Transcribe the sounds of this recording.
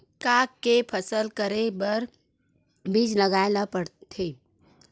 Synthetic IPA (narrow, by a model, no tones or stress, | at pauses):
kaːkːepʰəsəlkəɾebəɾ | bid͡ʒləɡaːenapəɽt̪ʰeː